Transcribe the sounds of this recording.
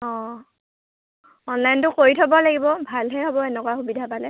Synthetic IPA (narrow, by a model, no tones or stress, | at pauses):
ɔ̃ | ɔnlajntʊkoɹitʰɔbɔlaɡibɔbʱalɦɛɦobɔɛnɛkwaxubidʱapalɛ